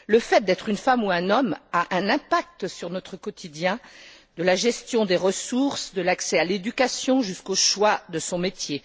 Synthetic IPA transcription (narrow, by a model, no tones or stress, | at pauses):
ləfɛt̪̚d̪ɛt̪χynfamuɛ̃nɔmaʔɛ̃nɛ̃pak̚t̪syʁnɔt̪χəkɔt̪ʰid̪jɛ̃ | d̪əlaʒɛst̪jɔ̃d̪eʁəsuʁsd̪əlaksɛaled̪ykʲasjɔ̃ʒyskoʃwad̪əsɔ̃met̪je